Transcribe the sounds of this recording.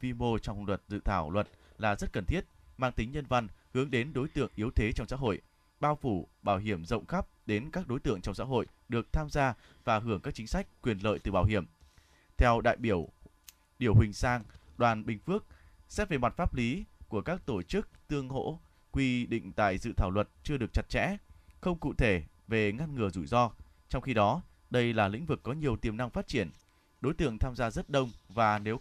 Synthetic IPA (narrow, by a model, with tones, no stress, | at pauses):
fi˧mo˧t͡ɕɔ˧wŋ͡mlwə˨˩t̚zɨ̰˧˨t̪ʰaː˧˩wlwə˨˩t̚ | laː˨˩zə˦˥t̚kə˨˩nt̪ʰi˦˥ət̚maː˧ŋt̪ï˨˦ŋɲə˧nva˧nhɨ˨˦əŋɗe˨˦nɗo˨˦jt̪ɨ̰˧˨əŋʔi˨˦əwt̪ʰe˨˦t͡ɕɔ˧wŋ͡msa̰˧˥ɦo̰˧˨j | ɓaː˧wfu˧˩ɓaː˧˩wɦi˧˩əmzə̰˧˨wŋ͡mxa˦˥p̚ɗe˨˦nkaː˦˥k̚ɗo˨˦jt̪ɨ̰˧˨əŋt͡ɕɔ˧wŋ͡msa̰ː˧˥ɦo̰˧˨j | ɗɨ˨˩ək̚t̪ʰaː˧mzaː˧ | vaː˨˩ɦɨ˧˩əŋkaː˦˥k̚t͡ɕï˨˦ŋ̟sa˦˥jk̟̚kːwi˨˩ənlə̰ː˧˨jt̪ɨ˨˩ɓaː˧˩wɦi˧˩əm | t̪ʰɛ˧wɗa̰ː˧˨jɓi˧˩əw | ɗi˧˩əwhï˨˩ŋ̟saː˧ŋɗwaː˨˩nɓï˨˩ŋ̟fɨ˦˥ək̚ | sɛ˦˥t̚ve˨˩ma˨˩t̚faː˦˥p̚li˨˦ku˧˩əkaː˦˥k̚t̪o˧˩t͡ɕɨ˦˥k̚t̪ɨ˧əŋɦo̰˧˥ | kwi˧ɗḭ˧˨ŋ̟t̪a̰ː˧˨jzɨ̰˧˨t̪ʰaː˧˩wlwə˨˩t̚t͡ɕɨ˧əɗɨ˨˩ək̚t͡ɕa˨˩t̚t͡ɕɛ̰˧˥xə˧wŋ͡mkṵ˧˨t̪ʰe˧˩ | ve˨˩ŋa˧nŋɨ˨˩əzu˧˩jzɔ˧ | t͡ɕɔ˧wŋ͡mxi˧ɗɔ˨˦ | ɗə˧jlaː˨˩lḭ̈˧˥ŋ̟vɨ˨˩kːɔ˨˦ɲi˨˩əwt̪i˨˩əmna˧ŋfaː˦˥t̚t͡ɕi˧˩ən | ɗo˨˦jt̪ɨ̰˧˨əŋt̪ʰaː˧mzaː˧zə˦˥t̚ɗə˧wŋ͡mvaː˨˩ne˨˦w